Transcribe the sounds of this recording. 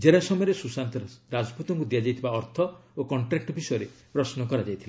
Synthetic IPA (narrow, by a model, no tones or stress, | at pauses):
d͡ʒeɽasɔmɔjɔɾesusant̪ɔɾad͡ʒɔput̪ɔŋkud̪iad͡ʒajt̪ʰibaɔɾt̪ʰɔokɔɳʈɾek̚ʈɔbʱisɔjɔɾepɾɔsnɔkɔɾad͡ʒajt̪ʰila